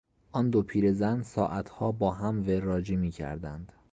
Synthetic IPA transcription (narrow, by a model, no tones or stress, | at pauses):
ʔɒːnd̪opʰiːɾe̞zænsɒ̰ːʔæt̪ʰhɒːbɒːɦæmverɒːd͡ʒiːmiːcʰæ̰ɾd̪ænd̪̥